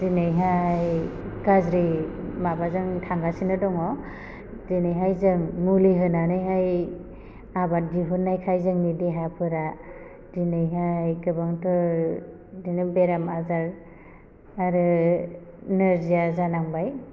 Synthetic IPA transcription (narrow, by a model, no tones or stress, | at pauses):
dinajɦajɡazɾimabazɯŋtʰaŋɡasinɯdɔŋɔ | dinɯjɦajzɯŋmuliɦɯnanɯjɦaj | abat̚diɦunːajkʰajzɯŋnideɦapʰɯɾa | dinɯjɦajɡɯbaŋtʰɔ | dinɯbeɾamazaɾ | aɾɯ | nɯɾzijazanaŋbaj